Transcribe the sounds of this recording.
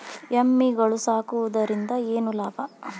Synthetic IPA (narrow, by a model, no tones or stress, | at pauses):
jɐmːiɡɐɭusaːkuʋud̪ɐɾind̪ɐeːnulaːbɐ